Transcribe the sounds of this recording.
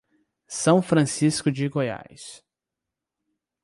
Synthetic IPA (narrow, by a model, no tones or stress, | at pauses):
sɐ̃w̃fɾɐ̃siskʊd͡ʒɪɡoja̰js